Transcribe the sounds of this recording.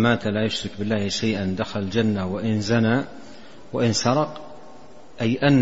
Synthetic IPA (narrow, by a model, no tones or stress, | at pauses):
maːt̪alajʊʃɾɪkbɪlːaːhʃajʔand̪axald͡ʒanːawaʔɪnzana | waʔɪnsɑɾˤɑq | ʔajʔanː